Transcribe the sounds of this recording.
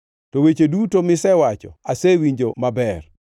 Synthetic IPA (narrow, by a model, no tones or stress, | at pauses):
tɔwet͡ʃedutomɪsɛwat͡ʃɔ̰asewiɲd͡ʒomabɛr